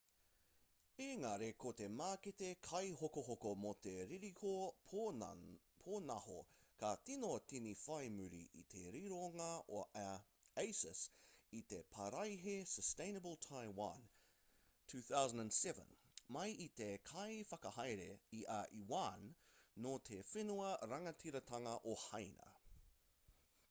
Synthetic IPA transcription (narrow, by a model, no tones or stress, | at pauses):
eŋɐɾekot̪e̞maːket̪ekʰɐjɦokoɦokomot̪eɾiɾiho | pʰoːnɐho̰katinotinifɐjmʉɾḭʔḭt̪ʰeɾiɾoŋɐo | ejsəsit̪epʰɐɾɐjɦesəstẽɪ̃nəbəlˠtʰaɪwɐ̰n | tʰʉːθawzə̃ndæ̃nsɛvə̰̃nmɐjit̪ekʰɐjfɐkɐhɐjɾeiʔaʔiwanːot̪ʰefenuɐɾɐŋɐtʰiɾɐtʰɐŋɐʔohɐjnɐ̰